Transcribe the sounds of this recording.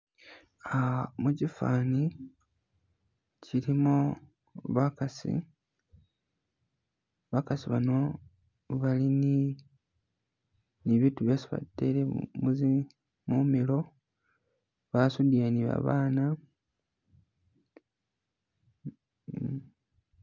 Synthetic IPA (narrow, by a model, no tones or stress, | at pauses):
amucifa̰ːni | ciɾimo | βakasḭ | βakasiβano̞ | βalini | niβiːtuβjosiβa̰de̞ɾemuzi | mumilo̞ | βasudianiβa̰βaːna